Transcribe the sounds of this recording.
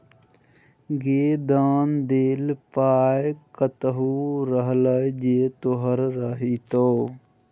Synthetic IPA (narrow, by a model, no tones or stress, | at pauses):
ɡeːd̪aːnd̪eːlpaːjkət̪əɦuːɾəɦləjd͡ʒeːt̪oɦəɾːəɦit̪oː